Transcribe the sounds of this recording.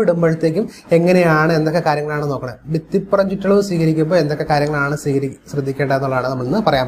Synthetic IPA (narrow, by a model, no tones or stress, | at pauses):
iɽumbɐɻit̪ːe̞ːkʲːum | e̞ŋːɐnejaːɳɨend̪okːe̞kaːɾjɐŋːɭaːɳɨnoːkːɐɳɐbit̪ːipːɐrɐɲd͡ʑitːɐɭɐʋmsiːkɐɾikʲːumboːend̪o̞kːe̞kːaːɾjɐŋːɐɭaːɳɨsiːkɐɾiɕrɐd̪ʱːikʲːeːɳɖɐenːuɭɐðaːɳɨnɐmːɐɭnːɨpɐrɐjaːm